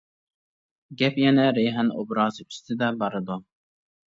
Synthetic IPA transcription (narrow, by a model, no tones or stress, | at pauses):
ɡʲɛpjɛnɛɾejɦɛno̰bɾɑːzɨy̥st̪ʰɪd̪ɛbɑɾɨd̪u